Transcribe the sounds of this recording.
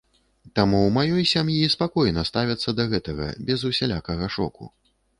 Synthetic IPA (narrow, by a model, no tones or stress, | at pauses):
t̪amumajɔjsʲamjispakɔjnɐst̪avʲɐt̪sːɐd̪ɐɣɛt̪ɐɣɐ̰bʲɛzusʲɛlʲakɐɣɐʂɔ̰kṵ